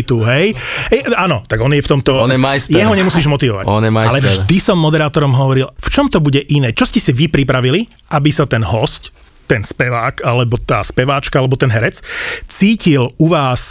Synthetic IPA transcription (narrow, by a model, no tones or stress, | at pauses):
t̪uɦɛj | ɛanɔt̪aɡɔnjɛft̪ɔmt̪ɔnɛmajsjɛɦɔɲɛmusiːʒmɔt̪iʋɔʋa̰cɔnjɛmajalɛʒd̪isɔmːɔd̪ɛɾaːt̪ɔɾɔmɦɔʋɔɾilft͡ʃɔmt̪ɔbuɟɛʔinɛːt͡ʃɔscɛsiʋipɾipɾaʋili | ʔabisat̪ɛnɦɔsc | t̪ɛnspɛʋaːkalɛbɔt̪a̰ːspɛʋaːt͡ʃkaalɛbɔt̪ɛnɦɛɾɛt͡st͡siːciluʋaːs